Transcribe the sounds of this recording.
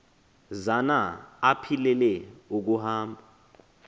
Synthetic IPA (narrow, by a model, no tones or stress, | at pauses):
zanaːpʰilɛlɛuk̬uhaːmbʱa